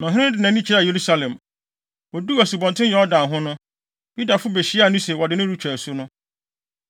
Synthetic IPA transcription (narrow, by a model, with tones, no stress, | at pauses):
nã˨ɦɪ̃˦ɪ̃˦dɪ˨nã˨nĩ˦t͡ɕʰi˦ɾa˨je˨ɾu˦sa˦lɛ̃˨m | wɔ˨du˦æ˨su˨bɔ̃˨ntʰɪ̃˦n˦jɛ˨ɔ˦dã˨ɦʊ̃˦nʊ̃˦ | ju˦da˨fʊ˦be˨ɕi˦a˨nʊ̃˦se˨wɔ˨dɪ˨nʊ̃˦ɾu˦t͡ɕʰᶣɛ˨sʊ˦nʊ̃˦